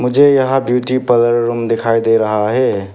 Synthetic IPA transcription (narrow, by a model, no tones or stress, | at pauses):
mʊd͡ʒejəɦabjuʈipəd̪əɾɾumd̪ekʰajd̪eɾəɦaɦɛ